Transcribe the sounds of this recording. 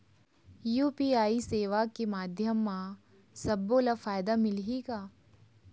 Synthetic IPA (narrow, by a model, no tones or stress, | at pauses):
juːpiːaːiseːʋakemaːd̪ʱjəmːã | sɐbːolafaːjd̪amɪlɦiɡaː